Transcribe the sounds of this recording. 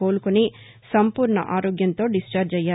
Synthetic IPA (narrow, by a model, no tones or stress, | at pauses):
o̞ːlukuni | sɐmpuːɾɳɐ̰ʔaːɾoːɡjɐnt̪o̞ːɖist͡ʃaːɾd͡ʒɐjaː